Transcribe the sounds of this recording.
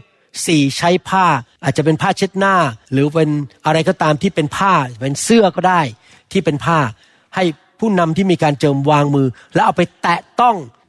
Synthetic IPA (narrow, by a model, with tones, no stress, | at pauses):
siː˨˩t͡ɕʰa˦˥jpʰaː˥˩ʔaː˨˩t̪̚t͡ɕa˨˩pe˧npʰaː˥˩t͡ɕʰe˦˥t̪̚naː˥˩ɾɯː˩˦pe˧nʔa˧ɾa˧jkɔː˥˩t̪aː˧mt̪ʰiː˥˩pe˧npʰaː˥˩pe˧nsɯ˥˩ɐkɔː˥˩daː˥˩j | t̪ʰiː˥˩pe˧npʰaː˥˩ | ha˥˩j | pʰuː˥˩na˧mt̪ʰiː˥˩miː˧kaː˧nt͡ɕɤː˧mwaː˧ŋmɯː˧ | lɛ˦˥ʔa˧wpa˧jt̪ɛː˨˩t̪ɔ˥˩ŋ